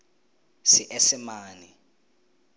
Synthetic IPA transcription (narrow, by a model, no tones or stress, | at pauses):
sɪʔesɪmaːni